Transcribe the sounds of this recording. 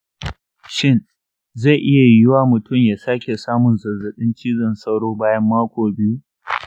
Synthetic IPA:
ʃɪ˦n | za˦˨ʔɪ˦ja˨jɪ˦waː˦mʊ˨tʊ˦˨mjaː˨saː˦kʲe˨saː˦mʊ˨nzɐ˨zɐ˨ɗɪ˦nt͡ʃiː˦zɐ˨nsɐ˦wɽoː˦baː˦jɐ˦mːaː˦kʷoː˨bɪ˦ju˦

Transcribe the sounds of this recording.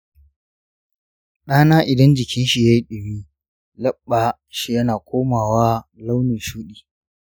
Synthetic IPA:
ɗaː˦naː˦ʔɪ˨dɐ˦nd͡ʒɪ˨kʲɪ˦nʃi˨jaː˦ji˦ɗɪ˨wiː˦ | lɐ˦ɓːa˨ | ʃi˨jɐ˦naː˨kʷoː˦maː˨waː˦la˦wni˨ʃuː˦ɗiː˨

